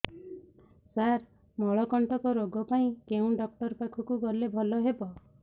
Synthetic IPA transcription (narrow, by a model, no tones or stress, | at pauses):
saɾ | mɔɭɔkɔɳʈɔkɔɾoɡɔpaĩkeũɖɔk̚ʈɔɾpakʰɔkuɡɔlebʱɔlɔɦebɔ